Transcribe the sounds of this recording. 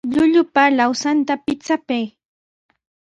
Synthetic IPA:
ʎʊʎʊpalawsant̪apɪt͡sapaj

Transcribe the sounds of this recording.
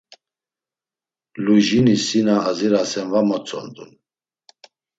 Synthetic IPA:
luʒinisinaːziɾasɛnvamɔt͡sʰʼɔ̰nd̪un

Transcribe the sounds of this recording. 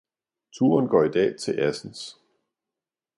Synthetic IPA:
t͡sʰuɐnɡ̥ɒ̰ːid̥ɛ̰ːt͡sʰe̝lʔæsn̩s

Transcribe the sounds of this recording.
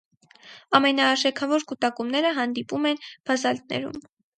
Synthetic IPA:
ɑmɛnɑːʃɛkʰɑvɔɾkut̪ɑkumnɛɾəɦɑnd̪ipumɛnb̥ʰɑzɑlt̪̚nɛ̰ɾṵm

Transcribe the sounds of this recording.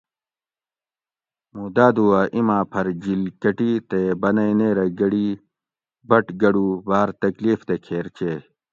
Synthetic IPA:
muːd̪aːd̪uaːʔimãːpʰɐɾd͡ʑilkɐʈit̪ebɐnɐjneːɾɐɡɐɽi | bɐʈɡɐɽubaːɾt̪ɐkliːft̪ekʰeːɾt͡ɕeː

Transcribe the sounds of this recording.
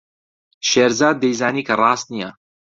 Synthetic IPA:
ʃeːɾzaːd̪̚ːejzaːniːkʰɐrˤɑːst̪nijɐ

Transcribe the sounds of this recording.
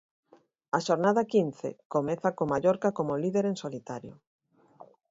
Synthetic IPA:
ɐʃoɾnaðɐkin̟θḛkomɛθakomaʎoɾkakomoliðeɾensolit̪aɾjo̰

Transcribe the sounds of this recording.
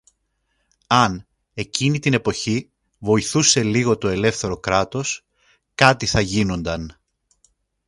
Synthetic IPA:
ɐn | e̞cinit̪ine̞po̞çi | vo̞iθuse̞liɣo̞t̪o̞e̞le̞fθe̞ɾo̞kɾɐt̪o̞s | kɐt̪iθɐʝino̞nd̪ɐn

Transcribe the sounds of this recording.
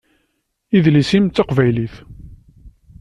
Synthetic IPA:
iðlisimːɑqvæjliθ

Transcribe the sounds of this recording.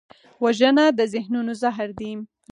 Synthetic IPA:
waʒənad̪əzɪhnunozaɦɾd̪im

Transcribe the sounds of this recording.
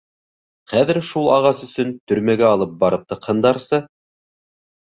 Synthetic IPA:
χæðɘ̆ɾʃulˠɑʁɑsɵ̆sɵnt̪ɵ̆ɾmæɡæɑlˠɤp̚bɑɾɤp̚t̪ɤ̆qhɤ̆nd̪ɑɾsɤ

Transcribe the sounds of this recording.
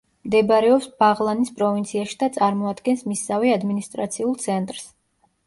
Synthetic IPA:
md̪ɛbɾɛɔpsb̥aʁlˠanispʼɾɔvint̪sʰiaʃi̥d̪at̪sʼaɾmɔad̪ɡɛnsmisaviad̪minist̪ʼɾa̰t̪sʰiulˠt̪sʰɛnt̪ʼɾs

